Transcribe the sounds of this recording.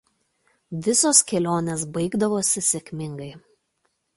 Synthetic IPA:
ʋʲɪsoːskʲɛlʲoːnʲes̬bɐɪɡd̪ɐʋoːsʲɪsʲɛkʲmʲɪŋɡɐɪ

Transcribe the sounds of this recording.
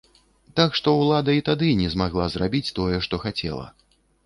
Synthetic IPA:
t̪akʂt̪ɔwlˠad̪ɐit̪ad̪ɨnʲɛzmaɣlˠazrabʲit͡sʲt̪ɔjɛʂt̪ɔxat͡sʲɛ̰lˠɐ̰

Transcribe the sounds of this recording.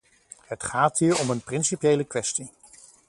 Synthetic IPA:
ətχaːtɦiːɹɔmənprɪnsipjejləkʋɛsti

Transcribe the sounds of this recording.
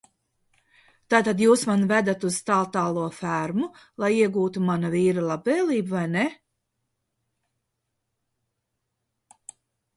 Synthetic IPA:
t̪aːt̪ad̪juːsmanvæd̪at̪uz̥t̪alˠt̪aːlˠuɔfæɾmu | lˠajiɛɡuːt̪umanaviːɾalˠabɛːliːbvajne

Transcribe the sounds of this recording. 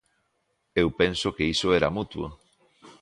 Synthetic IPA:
ewpensokeisoeɾamut̪wo̰

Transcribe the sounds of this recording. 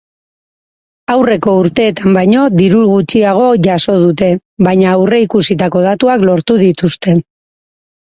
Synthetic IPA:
awre̞ko̞uɾt̪e̞ːt̪ambajɲo̞d̪iɾulɣut͡ʃiaɣ̞o̞ʝaso̞ð̞ut̪e̞βajɲaːwre̞ikusit̪ako̞ð̞at̪uaklo̞ɾt̪uðit̪ust̪e̞

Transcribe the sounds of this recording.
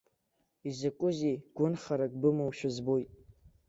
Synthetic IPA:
izakʷʼʊzijɡ̥ʷʊnχaɾakʼbɨmɨwʃᶣʊzbojtʼ

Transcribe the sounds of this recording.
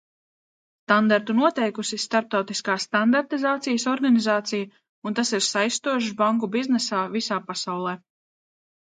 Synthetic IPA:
st̪and̪aɾt̪unuɔt̪ɛjkusist̪aɾp̚t̪awt̪iskaːsːt̪and̪aɾt̪izaːt̪sijəsɔɾɡanizaːt̪sija | unt̪asiɾsajst̪uɔʃ̬baŋkubiznɛsaːvisaːpasawlˠɛː

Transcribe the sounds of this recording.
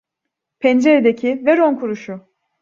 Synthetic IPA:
pʰɛnd͡ʒeɾed̪ecʰivɛɾonkʰuɾuʃu

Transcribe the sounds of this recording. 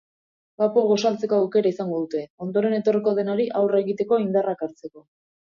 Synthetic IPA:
kapoɣo̞salt͡se̞koawke̞ɾaisaŋɡo̞ðut̪e̞o̞nd̪o̞ɾe̞ne̞t̪o̞riko̞ð̞e̞naɾiʔawre̞ɣit̪e̞ko̞ind̪arakaɾt͡se̞ko̞

